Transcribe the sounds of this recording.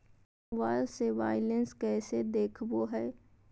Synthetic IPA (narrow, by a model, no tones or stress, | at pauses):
ʋaːɾseʋaːɪlənskɛːsed̪eːkʰboɦɛː